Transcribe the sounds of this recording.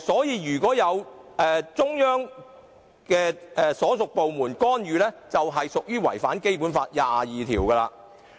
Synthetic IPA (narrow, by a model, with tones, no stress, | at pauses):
sɔː˨˥jiː˨˧jyː˨˩kɔː˨˥jɐ˨˧wɛː˨˧t͡sʊ˥ŋjœː˥ŋ | kɛː˧ɛː˧sɔː˨˥sʊ˨k̚po˨wmuː˨˩nkɔː˥njyː˨˧lɛː˥t͡sɐ˨wɦɐ˨jsʊ˨k̚jyː˥wɐ̰˨˩jfa̰ː˨˥nke˥jp̬uː˨˥nfaː˧t̚jaː˨jiː˨t̪ʰiː˨˩wkɐː˧la̰ː˧